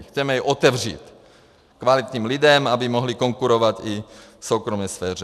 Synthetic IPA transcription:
xt͡sɛmɛjɛʔot̪ɛvr̝ḭːt̪ | kvalit̪ɲiːmlidɛmabɪmoɦlikoŋkuɾovat̪ifsowkɾomɛsfɛːrɛ

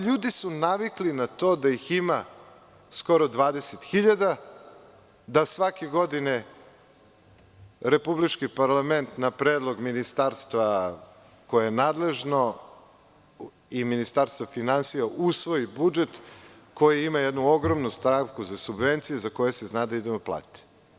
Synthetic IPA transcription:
ʎuːd̪isunaʋiklinat̪o̞ːd̪ajixima | sko̞ɾod̪ʋaːd̪eset̪xiʎad̪a | d̪asʋakeɡo̞d̪ine | ɾe̞publit͡ʃkipaɾlame̞nt̪napɾeːd̪lˠo̞ɡminist̪aːɾst̪va | ko̞jejenaːd̪le̞ʒno | iminist̪aɾst̪vafinansijaʔusʋo̞jibud͡ʒe̞t̪ | ko̞jiimajed̪nuoɡɾo̞mnust̪ɾaʋkuzasubʋe̞nt̪sijezako̞jeseznaːd̪aid̪e̞moplˠa̰ːt̪i̥

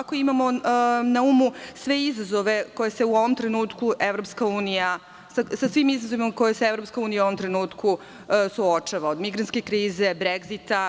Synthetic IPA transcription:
ako̞imamo̞naumusʋe̞izazo̞ʋe̞ko̞jese̞uo̞ʋo̞mt̪ɾe̞nuːt̪kuʔeʋɾo̞pskauːnija | sasasʋiːmizazo̞ʋimako̞jeseevɾopskauːnijauoʋo̞mt̪ɾe̞nuːt̪ku | suot͡ʃaʋaod̪miɡɾant̪ke̞kɾiːze̞bɾeɡzit̪a

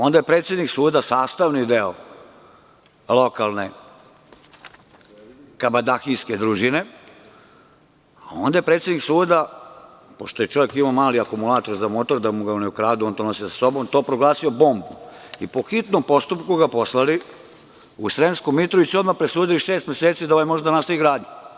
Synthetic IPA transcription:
ond̪ajepɾeːt̪sʲjed̪niksuːd̪asaːst̪aʋnid̪eo | lo̞kalˠne̞ | kabad̪axijsked̪ɾuʒine̞ | ao̞nd̪ajepɾet̪sed̪niksuːd̪a | po̞ʃt̪ojet͡ʃo̞ʋjekimaomaːliakumulˠaːt̪o̞ɾzamot̪o̞ɾd̪amuɡaunɛukɾaːd̪uont̪onosisḁso̞bo̞mt̪o̞ːpɾoɡlˠaːsio̞bo̞mbuipo̞xit̪nompo̞st̪upkuɡapo̞slali | usɾenskumːit̪ɾoʋisuod̪mapɾesuːd̪iliʃeːst̪mjeset̪siːd̪aoʋajmo̞ʒd̪ad̪anast̪aʋiɡɾaːd̪ɲu

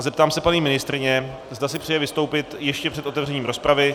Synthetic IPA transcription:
zɛpt̪aːmsɛpaɲiːmɪnɪst̪ɾɪɲɛ | zd̪asɪpr̥ɛjɛvɪst̪owpɪt̪jɛʃcɛpr̥ɛt̪ʔo̞t̪ɛvrɛɲiːmɾo̞spɾavɪ

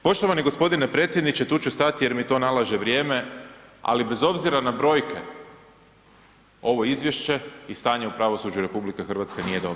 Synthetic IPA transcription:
po̞ʃt̪oʋaniɡo̞spo̞d̪inepɾe̞ːt̪sjed̪nit͡ɕe̞t̪uːt͡ɕust̪at̪ije̞ɾmit̪o̞ːnalˠaʒeʋɾjeːmea̰libe̞zo̞bziɾanabɾo̞jke̞̰ | o̞ʋo̞izʋjeʃe̞ist̪aːɲeupɾaʋo̞sud͡ʒuɾe̞publikexr̩ʋat̪skanije̞d̪o̞bɾo

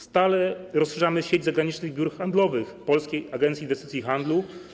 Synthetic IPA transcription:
st̪alɛɾɔsʂɛʐamɘɕed͡ʑzaɡɾaɲit͡ʂnɘɣbʲjuɾxand̪lɔvɘxpɔlskʲejaɡɛnsʲiːnvɛst̪ɪt̪ʲjixand̪lu

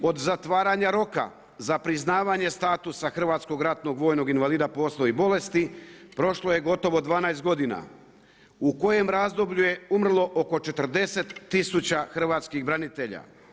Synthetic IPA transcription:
o̞d̪zat̪ʋaːɾaɲaɾo̞ka̰ | zapɾiznaːʋaɲe̞st̪aːt̪usaxr̩ʋaːt̪sko̞ɡɾat̪no̞ɡʋo̞ːjno̞ɡinʋaliːd̪apo̞slˠoibo̞le̞st̪ipɾo̞ʃlˠo̞je̞ɡo̞t̪o̞ʋo̞d̪ʋaːnajst̪̚ɡo̞d̪ina̰ | uko̞je̞mɾazd̪o̞bʎuje̞umr̩lˠo̞ʔoko̞t͡ʃe̞t̪r̩d̪e̞se̞t̪ːisut͡ɕaxr̩ʋaːt̪skiɣbɾanit̪e̞ʎa̰

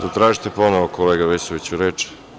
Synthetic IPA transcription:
t̪ot̪ɾaːʒit̪eponoʋokoleːɡaʋesoʋit͡ɕuɾeːt͡ʃɛ̥

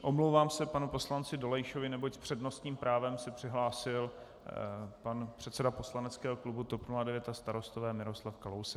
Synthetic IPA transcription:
ʔo̞mlowvaːmsɛpanupo̞slant͡sɪdo̞lɛjʃovɪnɛbo̞cspr̝̥ɛdno̞st̪ɲiːmpɾʔaːvɛmsɛpr̥ɪɦlaːsɪl | panpr̥ɛt̪sɛdapo̞slanɛt͡skɛːɦoklubut̪o̞pnuladɛvjɛt̪ast̪aɾo̞st̪ovɛːmɪɾo̞slafkalowsɛk

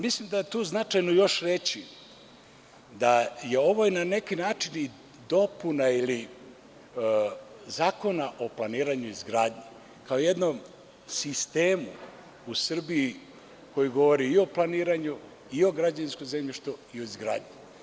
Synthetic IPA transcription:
mislimd̪ajet̪uːznat͡ʃajnojo̞ʃɾe̞t͡ɕi | d̪aje̞o̞ʋoinane̞kinaːt͡ʃini | d̪o̞punaili | zaːko̞naʔo̞plˠaniːɾaɲuizɡɾaːd̪ɲe | kaoje̞d̪nom | sist̪e̞ːmu | usr̩bii | ko̞jiɡo̞ʋoɾiːo̞plˠaniːɾaɲu | io̞ɡɾad͡ʒainskoze̞mʎiʃt̪oioizɡɾa̰ːd̪ɲi

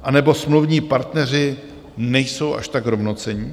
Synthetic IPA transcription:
ʔanɛbo̞smluvɲiːpaɾt̪nɛr̝ɪ | nɛjso̞wʔa̰ʃt̪aɡɦɾovnot͡sɛɲi

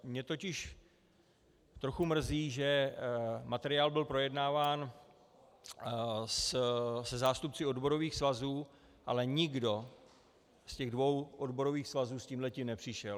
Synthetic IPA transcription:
mɲɛt̪o̞cɪʃ | t̪ɾo̞xumr̩ziːʒɛ | mat̪ɛɾɪaːlbɪlpɾo̞jɛdnaːvaːn | ssɛzaːst̪upt͡sɪo̞dbo̞ɾo̞viːxsvazuː | ʔalɛɲɪɡdo̞ | scɛɣdvo̞wʔodbo̞ɾo̞viːxsvazuːsciːmɦlɛciːmnɛpr̝̥ɪʃɛl

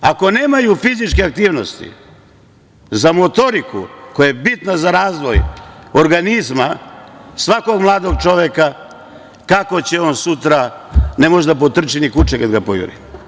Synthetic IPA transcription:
ako̞ne̞ːmajufizit͡ʃkeak̚t̪iːʋno̞st̪ḭ | zamo̞t̪o̞ɾikṵko̞jajebit̪nazaɾaːzʋo̞joɾɡanizmasʋako̞ɡmlˠaːd̪o̞ɡ̚t͡ʃo̞ʋeka | kako̞t͡ɕeo̞nsut̪ɾane̞mo̞ʒd̪ap̬ot̪r̩t͡ʃinikut͡ʃekad̪ɡapojṵɾḭ

